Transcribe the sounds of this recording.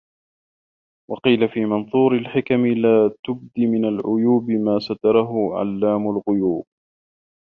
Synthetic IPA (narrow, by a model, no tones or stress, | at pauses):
wɑqiːlafiːmɑnθˤuːɾɪlħɪkamɪlaːt̪ʊb̚d̪imɪnalʕʊjuːbɪmaːsat̪ɑɾˤɑɦʊʕa̰lːaːmʊlɣʊjuːb̚